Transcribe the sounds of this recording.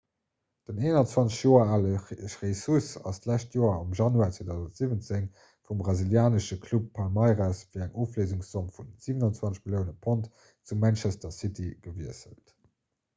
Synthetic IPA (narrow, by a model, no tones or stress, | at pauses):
d̥əneːnɐnt͡swɑnt͡sə̥ʃjoːɐaːləʃʁesusɑ̰stlæʃtjoːɐɑmʒɑnuaːt͡sweːdæʊzəntz̥ivənt͡seŋ | fumbʁɑziljaːnəʃəkʰlupʰːɑlmɑɪʁasfiːɐæŋoːflezuŋsɔmfunz̥iːvənɑnt͡swɑnt͡sʃmiljəʊnəpʰont | t͡sumænt͡ʃæstɐsitʰiɡ̥əviəsə̰lt